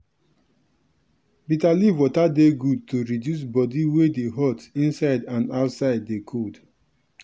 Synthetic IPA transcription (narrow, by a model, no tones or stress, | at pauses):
bitalivwɔtadeɡud̚toɹidjus̬bɔdiwedeɦɔtĩnsaɪdãnaʊtsaɪdːekʰud